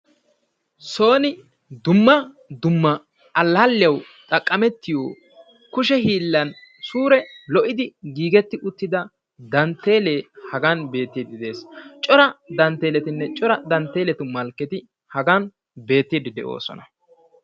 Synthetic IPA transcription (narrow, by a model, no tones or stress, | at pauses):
so̞ːnɪ | d̪ʊmːɐ | d̪ʊmːɐ | ʔɐlːɐlːɪjɐw | t̪ʼɐkʼːɐmɛt̪ːɪjoː | kʊʃɛɦiːlːɐnsuːɾɛlɔʔɪd̪ɪɡiːɡɛt̪ːɪʔʊt̪ːɪd̪ɐ | d̪ɐnt̪ːe̞ːle̞ːhɐɡɐnbe̞ːt̪ːid̪ɪd̪e̞ːst͡ʃʼɔɾɐd̪ɐnt̪ːe̞ːlɛt̪ɪnːɛt͡ʃʼɔɾɐd̪ɐnt̪ːe̞ːlɛt̪ʊmɐlkːɛt̪ɪ | hɐɡɐn | be̞ːt̪ːid̪ɪd̪ɛʔo̰ːsɔ̰nɐ